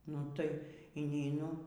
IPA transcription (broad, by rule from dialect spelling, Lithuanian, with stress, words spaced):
ˈnʊ ˈtɐɪ iːnʲɛɪˈnʊ